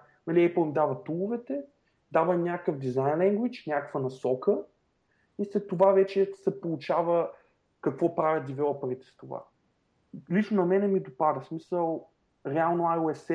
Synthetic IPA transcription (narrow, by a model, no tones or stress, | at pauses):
nɐlʲiɛplˠmid̪avət̪ulˠʊvɛt̪ɛ | d̪avənʲakəfd̪izajnlɛŋɡwit͡ʃnʲakkvənɐsɔkə | islɛt̪ːovavɛt͡ʃɛsɛpolˠut͡ʃavə | kɐkvɔpɾavʲjəd̪ivɛlˠpɐɾit̪ɛ̥st̪ova̰ | lʲit͡ʃnonɐmɛnɛmid̪opad̪əsmisəlˠ | ɾɛalˠnoajoɛs